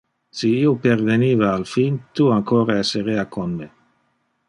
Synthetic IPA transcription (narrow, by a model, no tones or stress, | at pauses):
siioperveniːvaːlfint̪uaŋkoːɾaesːeɾeakonme